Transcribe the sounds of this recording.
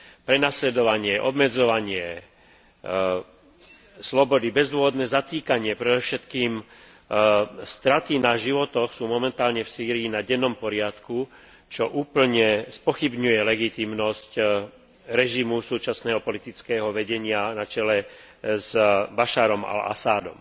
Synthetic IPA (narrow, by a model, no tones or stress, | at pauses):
pɾɛnaslɛd̪ɔʋaɲɪɛʔɔ̰bmɛd͡zɔʋaɲɪɛ | slɔbɔd̪ibɛzd̪ʋɔʋɔd̪nɛːzat̪iːkaɲɪɛpɾɛd̪ɔʊʃɛt̪kiːm | st̪ɾat̪inaʒiʋɔt̪ɔxsuːmɔmɛnt̪aːlɲɛfsiːɾiːnaɟɛnːɔmpɔɾɪat̪ku | t͡ʃɔʔuːpl̩ɲɛspɔxibɲujɛlɛɡit̪imnɔsc | ɾɛʒimusuːt͡ʃasnɛːɦɔpɔlit̪it͡skɛːɦɔʋɛɟɛɲɪanat͡ʃɛlɛ | zbaʃaɾɔma̰la̰saːd̪ɔ̰m